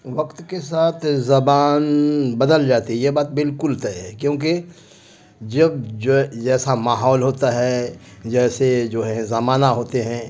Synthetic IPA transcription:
ʋɐkt̪kesaːt̪ʰzɐbaːnbɐd̪əld͡ʒaːt̪iɦɛjebaːt̪̚bɪlkʊlt̪ɐɛkjõːk̬e | d͡ʒɐbd͡ʒod͡ʒɛːsamaːɦɔːlɦoːt̪aɦɛd͡ʒɛːsed͡ʒoːɦɛ̃zɐmaːnaɦoːt̪eɦɛ̃ː

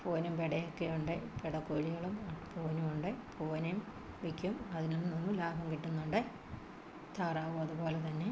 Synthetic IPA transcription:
foːnumpeɽɐjɐkːejuɳɖɨpeɽɐkːoːɻiɣɐɭumpoːnumuɳɖɨpʰoːnɐjm | ʋikʲːumɐðinonːninːulaːbʱɐmkiʈːunːuɳɖɨ | t̪ʰaːraːʋumɐðupo̞ːlet̪ɐnːe̞

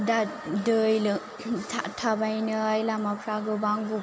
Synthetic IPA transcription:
dadɯjlɯ | tʰa̰ʔtʰabajnɯjlamapʰɾaɡɯbaŋbu

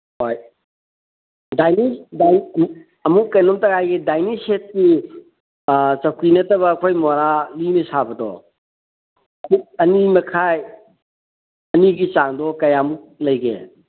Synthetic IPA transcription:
hoj | dajnida | ɐmukːɐjnomtɐɡajɡidajniset̚ki | t͡ʃɐw̚kinɐtɐβɐːkʰojmoɾalinisabɐdɔ̰ | ɐmuk̚ɐnimɐkʰaj | ɐniɡit͡ʃaŋdɔkɐjamuk̚lɐjɡḛ

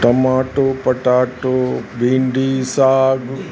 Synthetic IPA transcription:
ʈɐmaːʈoːpɐʈaːʈobĩːɳɖisaːɡ

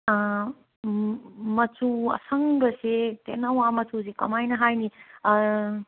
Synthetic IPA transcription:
mɐt͡ʃuɐ̰sʰɐŋbɐsetḛnɐwamɐtusekɐ̰majnɐɦajni

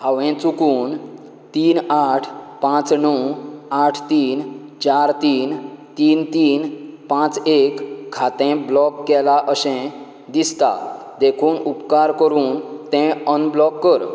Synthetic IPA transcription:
ɦaʋɛ̃t͡sukuːn | t̪iːnaʈʰpãt͡snəwaʈʰt̪iːnt͡ɕaɾt̪iːnt̪iːnt̪iːnpãt͡sekʰːat̪ɛ̃blɔkːɛlaʔəsɛ̃ | d̪ist̪a̰d̪ekʰuːnupkaɾkəɾuːnt̪ɛ̃ənblɔkːəɾ

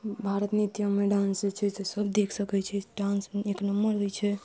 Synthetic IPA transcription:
bʱaɾət̪nit̪jəmeɖãnset͡ʃʰɛt̪esəbd̪ekʰsəkɛt͡ʃʰɛɖãnsmeeknəmːəɾɦojt͡ʃʰɛ

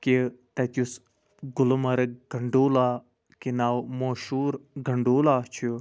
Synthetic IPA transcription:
kit̪ɐt̪ʲus | ɡʊlmɐɾɡʱɐɳɖuːlaː | kinaːwmoːʃuːɾɡʱɐɳɖoːlaːt͡ʃʰu

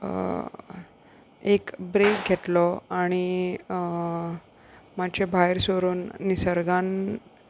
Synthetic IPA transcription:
ekbɾekɡʱet̪lɔaɽ̃i | mat͡ɕebʱajɾsoɾuːnːisəɾɡan

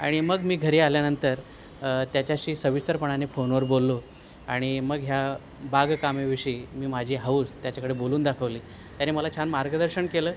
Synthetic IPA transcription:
a̰ɽ̃iməɡmiːɡʱəɾiːaljanənt̪əɾ | t̪jat͡ɕjaɕiːsəʋist̪əɾpəɳanefonʋəɾbolːo | aɽ̃iməɡɦja | baɡkameʋiʂiiːmiːmad͡ʑʱiːɦauːst̪jat͡ɕakəɽeboluːnd̪akʰəʋliː | t̪janeməlat͡ɕʰanmaɾɡəd̪əɾɕəɳkeləː

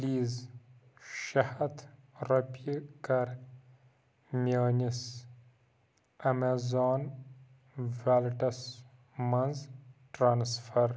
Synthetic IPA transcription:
liːz | ʃɐhɐt̪ʰɾɐpikɐɾ | mʲjaːnis | ɐmezaːn | vaːlʈɐs | mɐnzʈɾaːnsfɐɾ

